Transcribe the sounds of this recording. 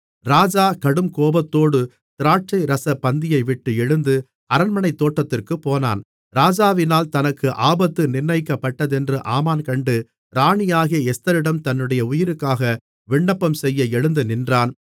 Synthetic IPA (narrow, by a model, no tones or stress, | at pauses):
ɾaːd͡ʒaːkɐɽɯmkoːbɐt̪ːoːɽɯ | t̪ɪɾaːʈ̚t͡ʃɐɪɾɐsɐpːɐnd̪ɪjɐɪʋɪʈːɯɛɻɯnd̪ɯ | ɐɾɐnmɐɳɐɪt̪ːoːʈːɐt̪ːɪrkɯpːoːna̰ːn | ɾaːd͡ʒaːʋɪnaːlt̪ɐnɐkːɯʔaːbɐt̪ːɯnɪrnːɐɪkːɐpːɐʈːɐðɛndrɯʔaːmaːnkɐɳɖɯ | ɾaːɳɪjaːɣijɐɛst̪ɐɾɪɽɐmt̪ɐnːɯɽɐjɐʊjɪɾɯkːaːɣɐ | ʋɪɳːɐpːɐmsɛjːɐɛɻɯnd̪ɯnɪndraːn